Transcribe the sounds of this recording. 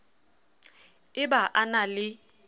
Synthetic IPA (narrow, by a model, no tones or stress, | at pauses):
ɪbaʔanalɪ